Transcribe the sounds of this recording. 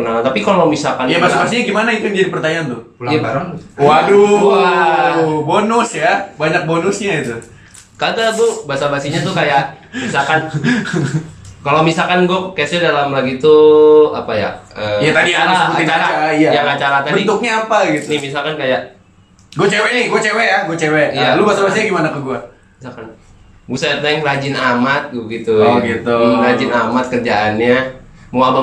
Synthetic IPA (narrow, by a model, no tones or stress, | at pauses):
naat̪apikalomisakanjabasabas̬iɲaɡimanait̪ujndiadipərt̪aɲaːnt̪ʊulaaaɾawaɾua | bonʊsjabaɲak̚bonʊsɲait̪u | kaɡaɡubaasabasiɲat̪̬ukajaʔ | misakan | kalomisakanɡakaasadalamlaɡit̪uapaja̰əjat̪adiaɾaaɪt͡ʃaɾaaiajakat͡ʃaɾat̪abəint̪uk̚ɲaːpaɡit̪nɪmisalkankajaʔ | ɡuat͡ʃeweiɡuat͡ʃewɛjaɡuat͡ʃewɛijalubasabasiɲaɡimanakəɡua | misalkan | busaat̪naɪŋlad͡ʒɪnamat̪̚ɡuɡit̪uɡit̪ulad͡ʒɪnamat̪̚kərd͡ʒaʔanɲamuaba